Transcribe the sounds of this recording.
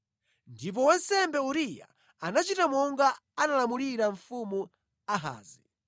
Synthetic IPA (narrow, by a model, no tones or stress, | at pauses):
ndip̬ɔwansɛmbɛuɾija̰ | anat͡ʃitamɔŋɡaː | nalamuliɾaɱfumu | aɦa̰ːzi